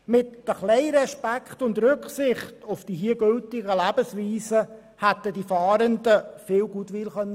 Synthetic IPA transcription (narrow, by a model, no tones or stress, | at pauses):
mɪtəχlɛɪɾɛʃpækχtʊndɾʏkχsɪχtʊfd̥iɦiəɡʏltɪɡəlæbəsʋiːsə | hæt̪ədifɑːɾəndəfɪːlɡuːtʋɪlχœnːə